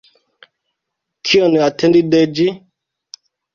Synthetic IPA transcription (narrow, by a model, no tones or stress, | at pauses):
kʰiɔniatʰɛndidɛd͡ʒi